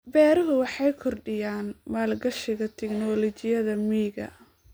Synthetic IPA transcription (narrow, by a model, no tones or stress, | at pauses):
bɛːɾɐɦʊwɑħɑjkʰɔrɖɪjaːnmaːlɡɐʃɪɣɐt̪ʰɛɡnɔlɔt͡ʃɪjɐðɐmiːɡɐ̰